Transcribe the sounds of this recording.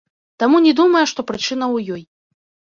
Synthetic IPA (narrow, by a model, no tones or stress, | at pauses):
t̪amunʲɛd̪umɐjɛʂt̪ɔpɾɨt͡ʂɨnɐwjɔj